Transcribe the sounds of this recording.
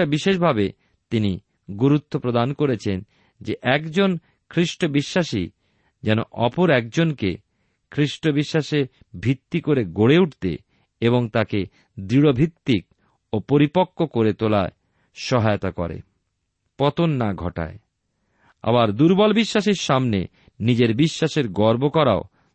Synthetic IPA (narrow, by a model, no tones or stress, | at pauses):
abiʃeʃ̬bʱabe | t̪ini | ɡoɾut̪ʰːopɾod̪ankoɾet͡ɕʰen | d͡ʑeʔɛkd͡ʑon | kʰɾiʃʈobiʃːaʃi | d͡ʑɛno̰ʔɔpoɾɛk̚d͡ʑonkḛ | kʰɾiʃʈobiʃːaʃe | bʱit̪ːikoɾeɡoɽeuʈt̪ḛ | eβoŋt̪ake | d̪ɾiɽobʱit̪ːik | opoɾipokːokoɾet̪olae | ʃɔɦajot̪akɔ̰ɾḛ | pɔt̪onːaɡʱɔ̰ʈa̰e | a̰baɾd̪uɾbɔlbiʃːaʃiɾʃamne | nid͡ʑeɾbiʃːaʃeɾɡɔɾbokɔɾa̰o